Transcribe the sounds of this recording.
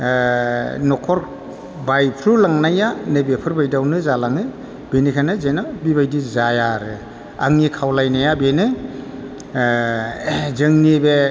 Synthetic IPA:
nɔkʰɔɾk̚ | bajpʰɾulaŋnajanɯbepʰɯɾbajdawnɯzalaŋɯ | benikʰanɯzenabibajdizajaɾɯ | a̰ŋnikʰawlajnajabenɯ | zɯŋnibe

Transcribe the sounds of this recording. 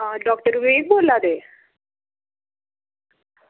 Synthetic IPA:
ɖɔk̚ʈəɾʋeːk̚boːlad̪e

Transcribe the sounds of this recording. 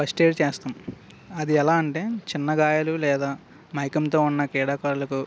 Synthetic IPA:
pɐsʈeːɖt͡ʃeːst̪aːm | ɐd̪iɛlaːɐɳʈeːt͡ʃinːɐɡaːjɐlulɛːd̪aː | mɐjkɐmt̪o̞ːunːɐkɛːɽaːkaːɾulɐku

